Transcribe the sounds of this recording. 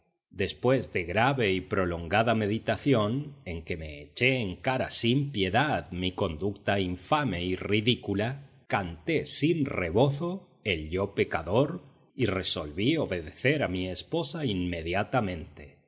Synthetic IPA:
d̪e̞spwe̞zðe̞ɣɾaβe̞ipɾo̞lo̞ŋɡaðame̞ðit̪aθjo̞ne̞ŋke̞me̞ːt͡ʃeːŋkaɾa̰simpje̞ðaðmiko̞nd̪ukt̪aiɱfame̞iriðikula | kant̪e̞sinreβo̞θo | elʎope̞kaðo̞ɾ | ire̞so̞lβio̞βe̞ðeθeɾamiespo̞sainme̞ðjat̪amẽ̞nt̪e̥

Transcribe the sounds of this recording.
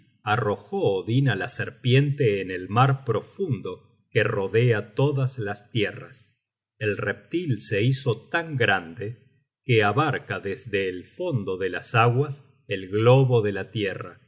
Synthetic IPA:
aro̞xoːðinalaseɾpje̞nt̪eːnelmaɾpɾo̞fund̪o̞ | kero̞ðeat̪o̞ðaslast̪jera̰s | elrep̚t̪ilse̞iso̞t̪aŋɡɾand̪e | keaβaɾkaðezðe̞ːlfo̞nd̪o̞ðelasaɣwas | elɣloβo̞ðe̞lat̪jera̰

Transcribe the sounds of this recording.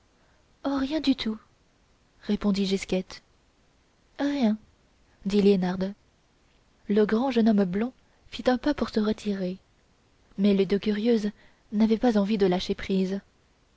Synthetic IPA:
ɔʁjɛ̃d̪yt̪ʰu | ʁepɔ̃d̪iʒiskʲɛt̪ | ʁjɛ̃ | d̪ileonaʁd̪ | ləɡʁɑ̃ʒənɔmblɔ̃ | fit̪ɛ̃papuʁsəʁət̪ʰiʁe | mɛled̪økʲyʁjøz | navɛpazɑ̃vid̪əlaʃepχiːz

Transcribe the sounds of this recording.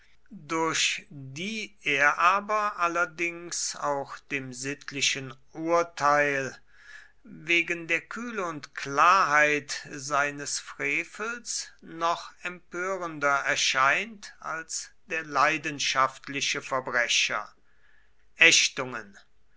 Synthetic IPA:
dʊɐɕdiːʔeːɐʔaːbɐʔalɐdɪŋsaʊxd̥eːmzɪtʰlɪʃənʔuɐtʰaɪl | veːɡəndeːɐkʰyːləʊntklaːɐɦaɪtzaɪnəsfʁ̥eːfəl̩snɔχɛmpøːʁəndɐɛɐʃaɪnta̰lsd̥eːɐlaɪdənʃaftlɪɕəfɛɐbʁɛɕɐ̰ | ʔɛʃtʊŋən

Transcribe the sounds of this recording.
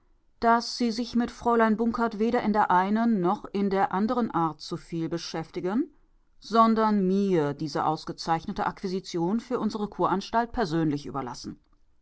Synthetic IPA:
d̥asz̥iːzɪçmɪtfʁ̥ɔʏlaɪnbʊŋkʰɐtv̥eːɾɐʔɪndeːɐʔaɪnənːɔχɪndeːɐʔandəʁənʔaːɐtt͡sufiːlbəʃɛftɪɡən | z̥ɔndɐnmiːɐdiːzəʔa̰ʊsɡ̥ət͡saɪçnətəʔakv̥izit͡sjoːnfyːɐʔʊnzəʁ̞əkʰoːɐʔanʃtalt̚pʰɛɐzøːnlɪçʔy̰ːbɐla̰sn̩

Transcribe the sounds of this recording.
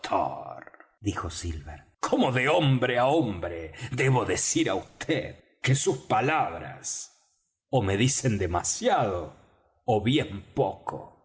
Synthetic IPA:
t̪ʰo̰ɾ | d̪ixosilβeɾ | kʰomoðeombɾeaombɾed̪eβo̞ðesiɾa̰ust̪ʰḛð | kesuspalaβɾa̰s | omeðise̞nd̪emasjaðoː | βjempokʰo̰

